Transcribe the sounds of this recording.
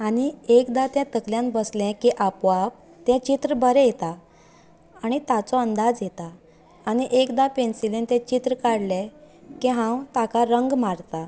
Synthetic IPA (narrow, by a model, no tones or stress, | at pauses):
aɽ̃iekd̪at̪ɛ̃t̪əkljãnbəslɛ̃kiʔapʋap̚ | t̪ɛ̃t͡ɕit̪ɾəbəɾɛjet̪a | aɽ̃it̪at͡sɔənd̪ad͡zjet̪aː | ɽ̃iʔekd̪apensilẽnt̪ɛ̃t͡ɕit̪ɾəkaɽlɛ̃kiɦãwt̪akaɾəŋɡmaɾt̪a